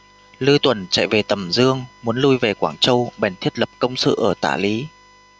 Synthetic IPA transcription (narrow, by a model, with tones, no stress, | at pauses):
lɨ˧t̪wə˧˩nt͡ɕa̰˧˨jve˨˩t̪ə˨˩mzɨ˧əŋmu˨˦ənlu˧jve˨˩kwaː˧˩ŋt͡ɕə˧wɓɛ˨˩nt̪ʰi˦˥ət̚lə˨˩p̚kə˧wŋ͡msɨ̰˧˨ʔəː˧˩t̪a̰ː˧˩li˨˦